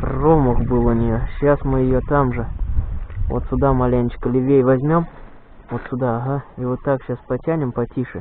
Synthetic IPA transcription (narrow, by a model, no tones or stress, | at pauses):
proməxbɨlˠənʲɪjoɕasmɨjɪjot̪amʐɨ | vo̰t̪sʲʊd̪amɐlʲenʲt͡ɕɪ̥kəlʲɪvʲejvɐzʲmʲo̞m | vot̪sʲʊd̪aːɦaivot̪ːakɕaspɐtʲænʲɪmpɐtʲiʂɨ̰